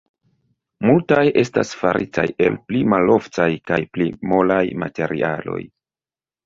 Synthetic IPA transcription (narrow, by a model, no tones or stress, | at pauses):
multajʔe̞stasfaɾʔitaje̞lplimalo̞ft͡sajkajplimo̞lajmate̞ɾʔiʔalo̞̰j